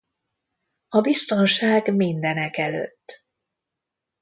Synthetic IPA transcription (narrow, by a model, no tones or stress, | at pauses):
ɒbist̪o̞nʃaːɡmind̪ɛnɛkɛlø̰t̪ː